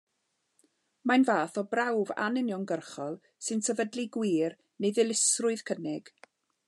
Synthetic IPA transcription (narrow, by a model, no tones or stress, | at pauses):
majnvaːθɔbrawva̰nɪnjɔŋɡərχɔlˠ | sɨnsɛvədliɡwiːr | neðɪlˠɪsrʊɨðkʰənɪɡ̥